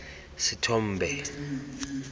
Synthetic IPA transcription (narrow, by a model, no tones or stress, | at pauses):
sitʰɔm̩ːbʱɛ